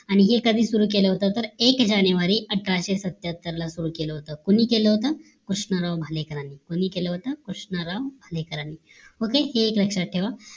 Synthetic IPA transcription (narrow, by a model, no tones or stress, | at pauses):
aɽ̃iɦekəd̪ʱiːsuɾuːkeləɦot̪ət̪əɾekd͡ʑanjəʋaɾiːʔəʈʰːaɕesət̪jat̪ːəɾlasuɾuːkeləɦot̪əːkuniːkeləɦot̪əː | kɾuʂɳəɾaʋbʱalekəɾaniːkoñiːkeləɦot̪əkɾuʂnəɾaʋbʱalekəɾaniː | ɦokeheːkləkʂaʈʰeʋa